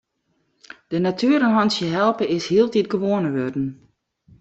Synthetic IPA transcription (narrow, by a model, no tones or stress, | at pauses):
d̥ənatʰyəɾənɦɔnsjəɦɛlˠpəɪshiəlˠtit̚ɡəʋoənəʋødn̩